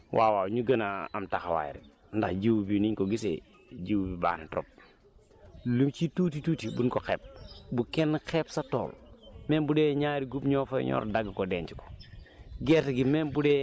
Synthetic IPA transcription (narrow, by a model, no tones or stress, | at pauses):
wʔaːwaɲuɡənaa̰mtaxawa̰jḭɾḭ | ndaxd͡ʒiwbiniɲkoɡisḛ | d͡ʒiwbiba̰ːnito̰p̚ | lumt͡ʃitutituːtibunkokḛːp̚bukenkepsato̰ːlmembudeɲaɾiɡubɲofaj̰ɲɔ̰ɾdaɡikodent͡ʃiko̥ɡeɾtiɡimenbude